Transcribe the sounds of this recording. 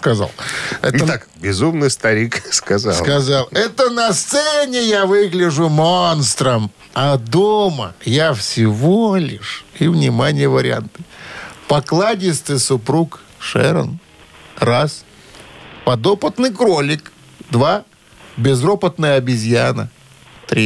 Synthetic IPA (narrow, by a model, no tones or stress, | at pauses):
skɐza̰lˠɛ̰ət̪akbʲɪzumnɨjst̪ɐɾʲikskɐza̰slˠkɐzalˠɛt̪ənɐst̪sɛnʲɪjavɨɡlʲɪʐʊmonst̪ɾəm | ɐd̪omə̰jafsʲɪvolʲɪ̰ʂivnʲɪmanʲɪjəvəɾʲɪ̰a̰nt̪ɨpɐklˠadʲɪst̪ɨjsʊpɾukʂɛ̰ɾə̰n | ras | pɐd̪opət̪nɨjkɾolʲɪk | d̪va | bʲɪzropət̪nəjəɐbʲɪzʲjanə̰ | t̪ɾʲi